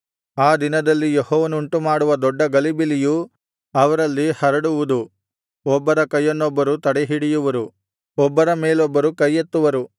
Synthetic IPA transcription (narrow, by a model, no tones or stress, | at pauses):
aːd̪inɐd̪ɐlːijehɔːʋɐnuɳʈumaːɽuʋɐd̪ɔɖːɐɡɐlibiliju | ɐʋɐɾɐlːihɐɾɐɽuʋud̪u | ɔbːɐɾɐkɐjːɐnːɔbːɐɾut̪ɐɽɛɦiɽijuʋɐɾu | ɔbːɐɾɐmeːlɔbːɐɾukɐjːet̪ːuʋɐɾu